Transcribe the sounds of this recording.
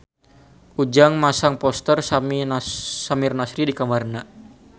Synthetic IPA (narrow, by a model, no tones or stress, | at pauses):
ʔud͡ʒaŋmasaŋpɔst̪ərsam | samɪrnasɾidikamarna